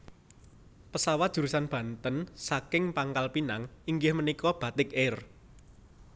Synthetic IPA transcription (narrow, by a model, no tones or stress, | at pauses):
pəsawat̪̚ʒ̥ṳɾusanb̥ä̤nt̪ənsakɪŋpaŋkalpinaŋiŋɡɪhmənikɔb̥ä̤t̪ɪk̚ɪr